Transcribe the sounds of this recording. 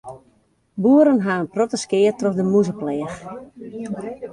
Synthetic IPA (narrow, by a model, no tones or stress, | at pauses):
buəɾənɦaːənprɔtəskɪətrɔfdəmuzəplɛːx